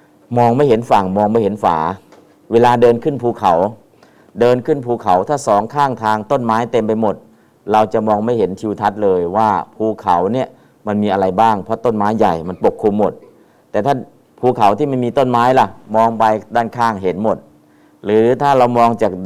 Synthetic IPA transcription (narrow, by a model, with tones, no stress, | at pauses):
mɔː˧ŋma˥˩jhe˩˦nfa˨˩ŋmɔː˧ŋpa˧˩jhe˩˦nfa̰ː˩˦ | weː˧laː˧dɤː˧nkʰɯ˥˩npʰuː˧kʰa˩˦w | dɤː˧nkʰɯ˥˩npʰuː˧kʰa˩˦wt̪ʰaː˥˩sɔː˩˦ŋkʰaː˥˩ŋt̪ʰaː˧ŋt̪o˥˩nmaː˦˥jt̪e˧mpa˧jmo˨˩t̪̚ | ɾa˧wt͡ɕa˨˩mɔː˧ŋma˥˩jhe˩˦nt̪ʰi˧wt̪ʰa˦˥t̪̚lɤː˧jwaː˥˩pʰuː˧kʰa̰˨˩˦wni˥˩ə | ma˧nmiː˧ʔa˧ɾa˧jbaː˥˩ŋpʰɔ˦˥t̪o˥˩˨nmaː˦˥jːa˨˩jma˧npo˨˩kʰːu˧mːo˨˩t̪̚ | t̪ːɛː˨˩t̪ʰaː˥˩ | pʰuː˧kʰa˨˩˦wt̪ʰiː˥˩ma˥˩nmiː˧t̪o˥˩nmaː˦˥jla˧˩mɔː˧ŋpa˧jdaː˥˩nkʰaː˥˩ŋɦe˩˦nmo˨˩t̪̚ | ɾɯː˩˦t̪ʰaː˥˩ɾa˧wmɔː˧ŋt͡ɕaː˨˩k̚